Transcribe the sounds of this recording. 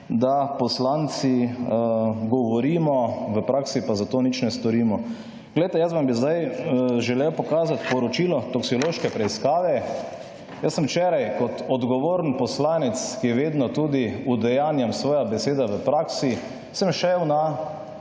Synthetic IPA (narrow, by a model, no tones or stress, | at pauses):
d̪apɔslant̪si | ɡɔʋɔɾiːmɔʋəpɾaːksipazat̪oːnit͡ʃnɛst̪ɔɾiːmɔ | ɡlɛjt̪ɛjəzbambizd̪ajʒɛlewpɔkaːzat̪pɔɾɔt͡ʃiːlɔt̪ɔksioloːʃkɛpɾɛiskaːʋɛ | jəsːə̃mwt͡ʃɛːɾajkɔt̪ɔd̪ɡɔʋoːɾnpɔslaːnɛt̪skijɛʋeːd̪nɔt̪uːd̪iud̪ɛjaːnjamsʋɔːjabɛseːd̪aʋəpɾaːksi | səmʃɛwna